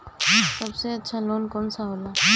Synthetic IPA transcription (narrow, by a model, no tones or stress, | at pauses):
sɐbseɐtːʃʰaloːnkɔːnsaɦoːla